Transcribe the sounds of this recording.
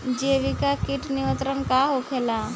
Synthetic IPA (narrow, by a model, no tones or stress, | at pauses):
d͡ʒeʋikakiʈnɪʋə̃nt̪ɾənkaɦokʰeːla